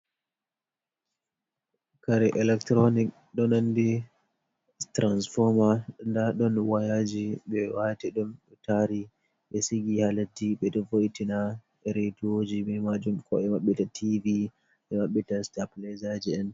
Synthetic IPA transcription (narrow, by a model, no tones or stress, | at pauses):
kaɾɛʔɛlɛktɾonik | ɗɔnandi | tɾansfɔɾmandaɗɔnwajad͡ʒiɓɛwatiɗumɗtaɾi | ɓɛsiɡihalatːiɓɛɗɔvojtina | ɛɾetod͡ʒiɓɛmad͡ʒumkɔɛmaɓːitatʰivi | ʔɛmaɓːitastaplɛzad͡ʒiɛn